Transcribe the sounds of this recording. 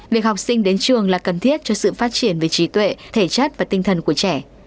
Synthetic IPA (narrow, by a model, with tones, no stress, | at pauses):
vi˨˩ək̚hɔ˨˩wk͡p̚sï˧ŋ̟ɗe˨˦nt͡ɕɨ˨˩əŋlaː˨˩kə˨˩nt̪ʰi˦˥ət̚t͡ɕɔ˧sɨ̰˧˨faː˦˥t̚t͡ɕi˧˩ənve˨˩t͡ɕi˨˦t̪wḛ˧˨t̪ʰe˧˩t͡ɕə˦˥t̚vaː˨˩t̪i˧ŋ̟t̪ʰə˨˩nku˧˩ət͡ɕɛ˧˩